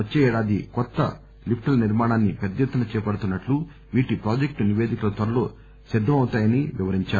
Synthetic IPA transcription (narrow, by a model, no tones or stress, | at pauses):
ɐt͡ʃːeːɛːɽaːd̪ikɔt̪ːɐ̰ | lipʰʈɐlniɾmaːɳaːnːipɛd̪ɐjɐt̪ːɐnɐt͡ʃɛːpɐɽut̪unːɐʈlu | ʋiːʈipɾaːd͡ʒek̚ʈniʋe̞ːd̪ikɐlɐt̪ʋɐɾɐlo̞ː | sid̪ʱːɐmɐwut̪aːjɐniʋiʋɐɾiɲt͡ʃaːu